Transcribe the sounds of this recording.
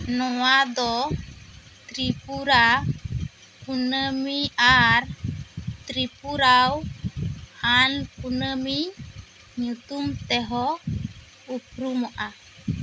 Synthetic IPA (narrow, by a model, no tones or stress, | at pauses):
nɔwad̪ɔ | t̪ɾipuɾa | punəmiaɾ | t̪ɾipuɾaw | anpunəmi | ɲut̪umt̪ɛɦɔ | upɾumɔʔa